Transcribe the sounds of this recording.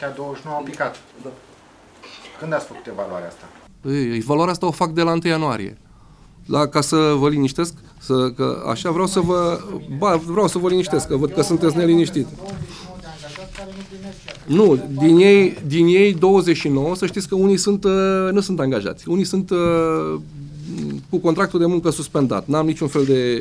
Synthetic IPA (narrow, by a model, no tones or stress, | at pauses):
kʲad̪owəʃnoampikat̪ | kɨnd̪at̪sfəku̥t̪evalua̰ɾea̰st̪a | ɨjevaluaɾeast̪aofak̚d̪e̞laɨnt̪ɨjːanua̰ɾḭḛ | d̪akasəvəliniʃt̪e̞sk | səkə̰a̰ʃavɾeawsəvəbavɾawsəvəliniʃt̪e̞skːəvəd̪̚kəsunt̪et̪̬ʲne̞liniʃt̪it̪ | nud̪inje̞jd̪inje̞jd̪o̞wəzeʃino̞wəsəʃt̪it̪sʲkəunijsunt̪nusunt̪aŋɡaʒa̰t̪sʲunijsunt̪ | kuko̞nt̪ɾak̚t̪uld̪e̞muŋkəsuspe̞nd̪a̰t̪nuamnit͡ʃunfe̞ld̪e̞